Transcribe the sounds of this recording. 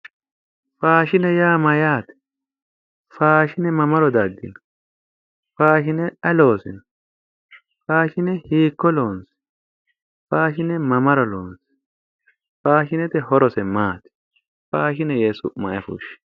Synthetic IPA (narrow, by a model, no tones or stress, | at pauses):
faːʃɪnɛjaːmɐjaːt̪ɛ̥ | faːʃɪnɛmɐmɐɾɔd̪ɐɡːɪ̰nɐ | faːʃɪnɛɐlo̞ːsɪ̰nɐ | faːʃɪnɛhiːkːɔloːnsɪ̥ | faːʃɪnɛmɐmɐɾɔloːnsɪ̥ | faːʃɪnɛt̪ɛɦɔɾɔsɛmaːt̪ɪ̥ | faːʃɪnɛjesʊ̰mɐʔɛfṵːʃɪ̥